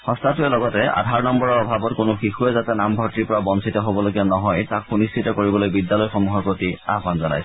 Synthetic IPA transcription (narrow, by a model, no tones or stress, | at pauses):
xɔ̃statʊɛlɔɡɔtɛa̰dʱaɹnɔmbɔɹɔɹɔbʱabɔtkʊnʊxixuɛzatɛnambʱɔɹtːiɹpɔɹabɔnsʰitɔɦobɔloɡianɔɦɔjtak̚xuniskʰitɔkoɹibɔlojbidːalɔjxɔmuɦɔɹpɹotia̰banzɔna̰js